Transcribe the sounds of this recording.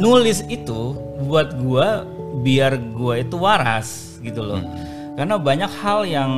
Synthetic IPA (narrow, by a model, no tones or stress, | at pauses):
nulɪsit̪u | buat̪̚ɡua | biarɡuait̪uwaɾa̰s | ɡit̪ulɔ̰ | karnabaɲakhaljaŋ